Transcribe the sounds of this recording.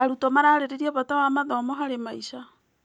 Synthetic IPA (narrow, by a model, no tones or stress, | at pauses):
aɾutomaɾaɾeɾeɾiaβatawamaðomoɦaɾemaiʃa